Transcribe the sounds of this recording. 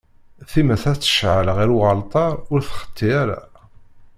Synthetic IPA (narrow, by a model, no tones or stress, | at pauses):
θimæθæt͡sːə̥ʃʕələʁiɾuʁəlt̪ˤɑɾˤʊɾθχə̥t̪ʰːiæɾæ̰